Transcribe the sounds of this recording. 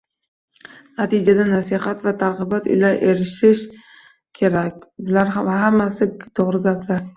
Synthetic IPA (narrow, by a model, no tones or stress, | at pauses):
nat̪ʰɪd͡ʒad̪anasɪhat̪vat̪ʰaɾʁɨbat̪ʊ̰jlaɾʔeɾɪʃɪʃ | kʲʰeɾakʲlaɾaɦamːasɪt̪ʰoʁɾɪɡʲaplaɾ